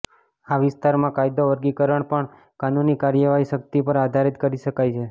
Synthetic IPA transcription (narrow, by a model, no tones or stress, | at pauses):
aʋɪst̪aɾmãkajd̪oʋəɾɡikəɾəɳpəɳ | kanunikaɾjəʋaɦiʃək̚t̪ipəɾad̪ʱaɾit̪kəɾiʃəkajt͡ʃʰe